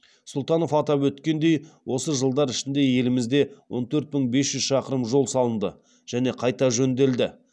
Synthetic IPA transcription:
sʊlˠt̪ɑno̞fɑt̪ɑpwɵt̪kʲe̞nd̪ejwʔo̞səʒəlˠd̪ɑɾɪʃɪnd̪e̞je̞lɪmɪzd̪e̞wʔo̞̰nt̪ʰɵɾt̪̚məɴbe̞sʒ̥ʏzʃɑqəɾəmʒo̞lˠsɑlˠənd̪ə | ʒ̥æne̞qʰɑjt̪ɑʒɵnd̪e̞ld̪ɪ

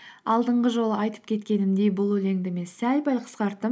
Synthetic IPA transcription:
ɑlˠd̪əɴʁəʒo̞lˠəɑjt̪ə̥p̚kʲʰe̞t̪kʲe̞nɪmd̪e̞jbʊlˠwɵle̞ŋd̪ɪme̞nsælbælqʰə̥sqɑɾt̪ːəm

